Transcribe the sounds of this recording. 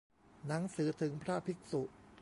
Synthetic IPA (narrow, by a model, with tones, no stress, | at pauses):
na˩˦ŋsɯː˩˦t̪ʰɯ˩˦ŋpʰɾa˥˩pʰi˦˥k̚su˨˩ʔ